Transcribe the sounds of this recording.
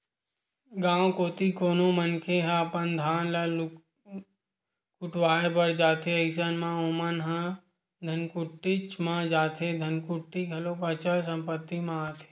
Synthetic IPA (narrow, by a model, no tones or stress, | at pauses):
ɡãːwkoːt̪ikoːnomənkʰeɦãpənd̪ʱaːnlɐ | kʊʈʰwaːepəɾd͡ʒaːt̪ʰeəɪs̬ənmãomənɦə̃ | d̪ʱɐnkʊʈːit͡ʃmãd͡ʒaːt̪ʰed̪ʱɐnkʊʈːiɡʱɐlopət͡ʃəlsə̃mpət̪ːimãaːt̪ʰe̥